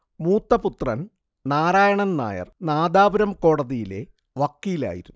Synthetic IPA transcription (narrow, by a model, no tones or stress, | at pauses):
muːt̪ːɐput̪rɐn | naːɾaːjɐɳɐnna̰ːjɐ̰rnaːd̪aːbɐɾɐmko̞ːɽɐðijile̞̰ | ʋɐkːiːla̰ːjḭɾunː